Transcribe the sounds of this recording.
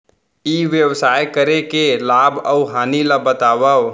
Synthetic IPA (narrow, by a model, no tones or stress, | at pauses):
iʋjəʋsajkəɾekelabəwɦaniləbət̪abəw